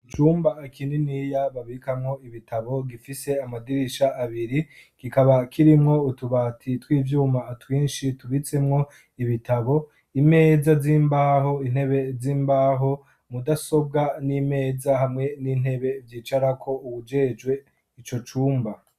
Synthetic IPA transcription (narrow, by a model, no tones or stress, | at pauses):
it͡ʃuːmbaːkininijaβaβikamŋo̞iβitʰaβo̞ɡifise̞amadiɾiʃaʔːβiɾikikaβakʰiɾimŋo̞utuβaːtʰitwiːvjuːmatwiːnʃituβit͡se̞mŋo̞ | iβitʰaβo̞ | ime̞ːzaziːmbaːɦo̞in̥he̞βe̞ziːmbaːɦo̞ | mudaso̞b̚ɡanime̞ːzahamŋe̞niːn̥he̞βe̞vjiːt͡ʃaɾakʰo̞uβud͡ʒe̞d͡ʒwe̞ | it͡ʃo̞t͡ʃuːmba